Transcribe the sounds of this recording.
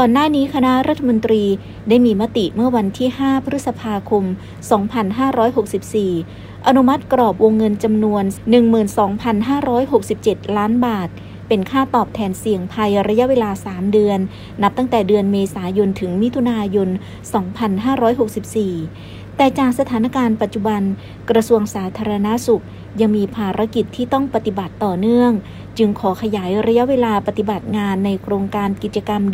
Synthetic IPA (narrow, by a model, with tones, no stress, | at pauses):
kɔː˨˩nːaː˥˩niː˦˥kʰa˧na˦˥ʔɾa˦˥t̪ʰːa˧mo˧nt̪ɾiː˧ | daː˥˩jmiː˧ma˦˥t̪i˨˩ʔmɯ˥˩ɐwa˧nt̪ʰiː˥˩haː˥˩pʰa˧ɾt̪̚sa˧pʰaː˧kʰo˧m | sɔː˩˦ŋpʰa˧nɦaː˥˩ɾɔː˦˥jɦo˨˩k̚si˨˩p̚siː˨˩ | ʔa˧nu˦˥ma˦˥t̪̚kɾɔː˨˩p̚wo˧ŋːɤ˧nt͡ɕa˧mnu˧ənːɯ˨˩ŋmɯː˨˩nsɔː˩˦ŋpʰa˧nɦaː˥˩ɾɔː˦˥jɦo˨˩k̚si˨˩p̚t͡ɕe˨˩t̪̚laː˦˥nbaː˨˩t̪̚ | pe˧nkʰaː˥˩t̪ɔː˨˩p̚t̪ʰɛː˧nsi˨˩əŋpʰa˧jɾa˧ja˦˥ʔweː˧laː˧saː˩˦mdɯ˧ənː | a˦˥p̚t̪a˥˩ŋt̪ɛː˨˩dɯ˧ənmeː˧saː˩˦jo˧nt̪ʰɯ˩˦ŋmi˦˥t̪ʰu˧naː˧jo˧n | sɔː˩˦ŋpʰa˧nɦaː˥˩ɾɔː˦˥jɦo˨˩k̚si˨˩p̚siː˨˩ | t̪ɛː˨˩t͡ɕaː˨˩k̚sa˧t̪ʰaː˩˦na˧˥˩kaː˧npa˨t̪̚t͡ɕu˨˩ba˧n | kɾa˧su˧əŋsaː˩˦t̪ʰaː˧ɾa˧na˦˥su˨˩k̚ | ja˧ŋmiː˧pʰaː˧ɾa˦˥ki˨˩t̪ʰːiː˥˩t̪ɔ˥˩ŋpa˧t̪i˨˩ba˨˩t̪ːɔː˨˩nɯ˥˩əŋ | t͡ɕɯ˧ŋkʰɔː˩˦kʰa˧jaː˩˦jɾa˧ja˦˥ʔweː˧laː˧pa˨˧t̪i˨˩ba˨˩t̪̚ŋaː˧nːa˧jkʰɾoː˧ŋkaː˧nki˨˩t̪̚t͡ɕa˧ka˧m